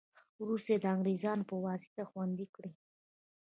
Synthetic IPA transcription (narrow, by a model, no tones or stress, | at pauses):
wɾust̪ed̪əaŋɡɾezɑnpəwɑsi̥t̪axwand̪ikɽi